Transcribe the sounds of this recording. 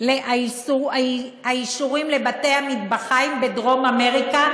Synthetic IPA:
leaisua | aiʃuʁimle̞bat̪e̞hamid̪baχaimbe̞dʁo̞mame̞ʁika

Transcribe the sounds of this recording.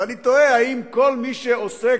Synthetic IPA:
anit̪oehaimko̞lmiʃeose

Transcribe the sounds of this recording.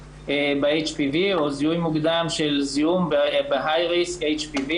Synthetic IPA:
ebeejt͡ʃpivioziujmuɡd̪amʃelziumbeɦajʁisejt͡ʃpivi

